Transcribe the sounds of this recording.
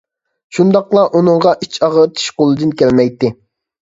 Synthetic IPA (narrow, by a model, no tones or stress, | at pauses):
ʃund̪ɑqlˠɑʔunɨŋʁɑʔit͡ʃʰɑʁət̪ʰi̥ʃqolˠɨd̪ɨnkʲælmɛjt̪ːɪ